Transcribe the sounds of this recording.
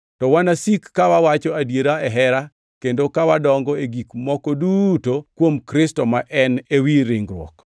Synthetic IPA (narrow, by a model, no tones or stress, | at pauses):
tɔwanasikːawawat͡ʃɔadjeɾaɛɦɛɾa | kendokawadɔŋɡɔeɡikmɔkɔdutokwomkɾɪstɔmaʔɛnewiɾɪŋɡɾwɔ̰k